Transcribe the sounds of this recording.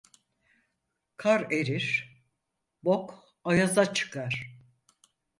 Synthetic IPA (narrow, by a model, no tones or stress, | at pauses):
kʰaɾeɾiɾ̥ | bok | ajazat͡ʃʰɯ̥kʰaɾ̥